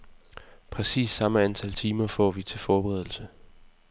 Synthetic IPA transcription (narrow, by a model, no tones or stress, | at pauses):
pʰʁɛsḭːsːɑ̈məænt͡sʰælt͡sʰiːmɐfɒ̰ːʋit͡sʰe̝lfɒːb̥eʁɛðˠl̩sə